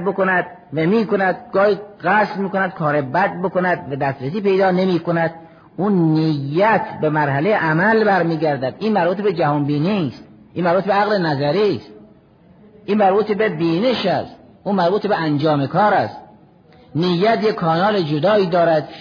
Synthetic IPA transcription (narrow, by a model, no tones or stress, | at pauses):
bokonæd̪̥̚ | væmiːkonæd̪̚ɡɒːhiːɣæslmiːkonæd̪̥̚kʰɒːɾebæd̪̚bokonæd̪væd̪æst̪ɾesiːpe̞jd̪ɒːnemiːkonæd̪̥̚ | uːnnijːæt̪ʰbemæɾɦælejeʔæmælbæɾmiːɡæɾd̪æd̪ʔiːnmæɾbuːt̪ʰebed͡ʒæhɒnbiːnist̪̚ | ʔiːnmæɾbuːt̪ebeæɣlenæzæɾist̪ | ʔiːnmæɾbuːt̪ebebiːneʃæst̪ | uːmæɾbuːt̪ebeænd͡ʒɒːmekʰɒːɾæst̪ | nijːæt̪jekʰːɒːnɒːled͡ʒod̪ɒːiːd̪ɒːɾæd̪